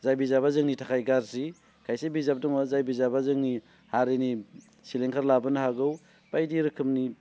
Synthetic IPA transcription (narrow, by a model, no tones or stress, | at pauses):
zajbizabazɯŋnitʰakʰajɡaɾsi | kʰajsebizab̚dɔŋazajbizabazɯŋni | haɾeni | sileŋkʰaɾlabɯnɐɦaɡɯw | b̥ajdiɾɯkʰɯmni